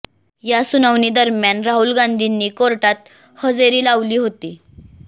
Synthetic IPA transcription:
jasunəʋniːd̪əɾmjanɾaɦuːlɡãnd̪ʱinːiːkoɾʈat̪̚ | həd͡zeɾiːlaʋliːɦot̪iː

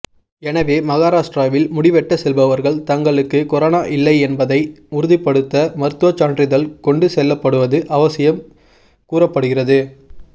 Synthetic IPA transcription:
ɛnɐʋeːmɐɣaːɾaːʂʈɾaːʋɪlmʊɽɪʋɛʈːɐsɛlbɐʋɐɾɣɐɭt̪ɐŋɡɐɭɯkːɯkɔɾaːnaːʔɪlːɐɪɛnbɐðɐɪʊɾɯðɪpːɐɽɯt̪ːɐmɐɾɯt̪ːɯʋɐt͡ʃːaːɳɖrɪðɐlkɔɳɖɯsɛlːɐpːɐɽɯʋɐðɯʔɐʋɐsɪjɐm | kuːrɐpːɐɽɯɣɪrɐðɯ

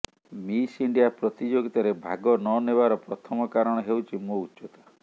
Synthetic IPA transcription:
misiɳɖijapɾɔt̪id͡ʒoɡit̪aɾebʱaɡɔnɔnebaɾɔpɾɔt̪ʰɔmɔkaɾɔɽ̃ɔɦewt͡ʃʰimout͡ʃɔt̪ɔ̥

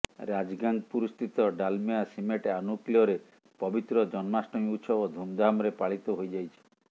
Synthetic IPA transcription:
ɾad͡ʒɡand̪puɾust̪ʰit̪ɔɖalmiasimeʈeanuklijɔɾe | pɔbit̪ɾɔd͡ʒɔnmasʈɔj̃ut̪sʰɔod̪ʱumd̪ʱamɔɾepaɭit̪ɔɦojd͡ʒajt͡ʃʰi̥

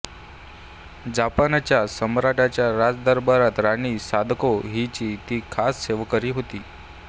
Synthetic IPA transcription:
d͡ʑapanat͡ɕjasəmɾaʈat͡ɕjaɾad͡zd̪əɾbəɾat̪ɾañiːsad̪ʱkoɦit͡ɕiːt̪iːkʰasːeʋkəɾiːɦot̪iː

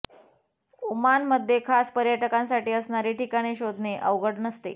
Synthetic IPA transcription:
umanməd̪ʱːjekʰaspəɾjaʈəkãnsaʈiːəsɳaɾeʈikaɽ̃iɕod̪ʱneʔə̰ʋɡəɽnəst̪ḛ

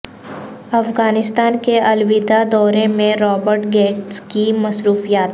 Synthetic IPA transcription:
ɐfɡaːnɪst̪aːnkeʔɐlwid̪ad̪ɔːɾemẽɾɔːbəɾʈɡeːʈskimɐsɾuːfijaːt̪

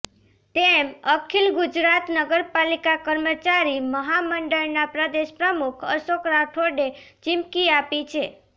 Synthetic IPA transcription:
t̪eməkʰilɡud͡ʒɾat̪nəɡəɾpalikakəɾmət͡ʃaɾiməɦaməɳɖəɭnapɾəd̪eʃpɾəmukʰə̰ʃokɾaʈʰoɖet͡ʃɪmkiapit͡ʃʰe

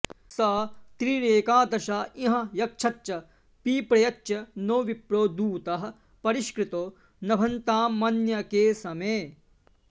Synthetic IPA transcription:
saːt̪ɾiɾeːkaːd̪ɐʃaːiɦɐ̃̆jɐk̚t͡ʃʰɐtːt͡ʃɐ | piːpɾɐjɐt͡ʃːʃɐnoːʋipɾoːd̪uːt̪ɐɦɐ̆ | pɐɾiʃkɾɪt̪oː | nɐbʱɐnt̪aːmːɐnjɐkeːsɐmeː

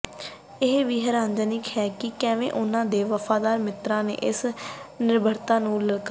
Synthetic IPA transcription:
ɪɦʋiːɦəɾãːnd͡ʒənɪkhɛːkɪkɛːʋḛ̃ːʔʊnãːd̪eːʋəfʰaːd̪aːɾmɪt̪ɾãːnḛːʔɪsnɪɾbʱəɾt̪ãːnũːləlk

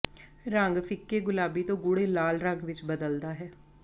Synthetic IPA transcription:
ɾəŋɡpʰɪkːeːɡʊlaːbiːt̪õːɡʊɽeːlaːlɾəŋɡʋɪt͡ʃbəd̪əld̪aːɦɛː

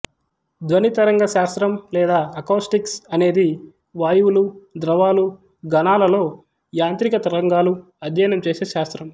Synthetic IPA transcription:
d̪ʋɐnit̪ɐɾɐŋɡɐʃaːst̪ɾɐmlɛːd̪aːɐkoːsʈiksɐne̞ːd̪i | ʋaːjuwulud̪ɾɐʋaːlu | ɡɐnaːlɐlo̞ː | jaːnt̪ɾikɐt̪ɐɾɐŋɡaːlu | ɐd̪ʱjɐjnɐmt͡ʃe̞ːseːʃaːst̪ɾɐm

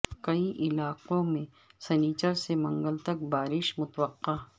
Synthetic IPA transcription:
kɐiʔɪlaːqõmẽ | sɛniːt͡ʃəɾsemɐ̃ŋɡəlt̪ɐk̚baːɾɪʃmʊt̪ʋəqːaː

